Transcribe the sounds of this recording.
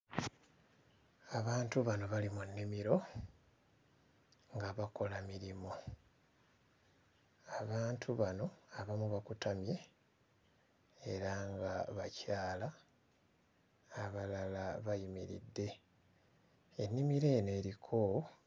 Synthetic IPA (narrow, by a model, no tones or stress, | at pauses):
aβaːntuβano̞βalimunːimiɾo̞ | ŋɡaβako̞lamiɾimo̞ | aβaːntʰuβano̞aβamuβakutamje̞ | ɾaŋɡaβacaːla | βalalaβajimḭɾḭdːe̞ | enːimiɾe̞ːne̞ːɾikʰo̞